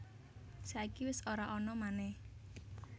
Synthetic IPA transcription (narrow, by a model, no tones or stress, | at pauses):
saikiwɪsoɾaʔɔnɔmanɛh